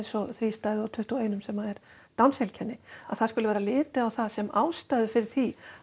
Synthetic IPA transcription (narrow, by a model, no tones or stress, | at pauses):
nsɔθɾiːst̪aːjðʏawt̪ʰʏht̪uejnʏmsɛmːaðɛɾ̥ | t̪awnshɛlcʰɛnːɪaðθaðskʏlʏvɛːɾalɪːt̪ɪawθaðsɛmaːwst̪ajðʏfɪɾɪɾ̥θi